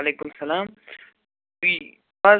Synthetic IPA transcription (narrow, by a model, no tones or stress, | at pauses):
ɐleːkʊmsɐlaːm | i | ba